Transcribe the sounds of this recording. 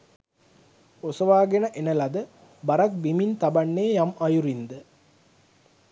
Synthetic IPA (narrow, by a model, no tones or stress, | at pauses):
osəʋaːɡenəʔenəlɐd̪ə | baɾak̚bimint̪abanːeːjamajuɾind̪ə